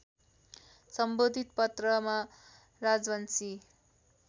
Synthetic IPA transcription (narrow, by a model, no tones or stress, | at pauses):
sʌmbod̪ʱit̪̚pʌt̪rʌma | rad͡zwʌnsi